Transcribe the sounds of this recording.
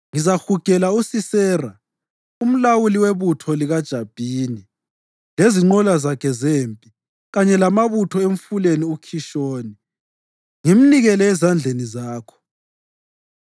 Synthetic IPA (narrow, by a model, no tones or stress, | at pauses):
ŋizaxuɡ̥ʱɛlausisɛːra | um̩lawuliweβutʰɔliɣad̥ʒ̥ʱab̥ʱiːni | leziŋ͡ǃɔlazakʰɛzeːmpʼi | ɣaɲɛlamaβutʰɔeɱfuleniukʰiʃoːni | ŋim̩niɣɛlɛɛzand͡ɮʱenizaːkʰɔ̥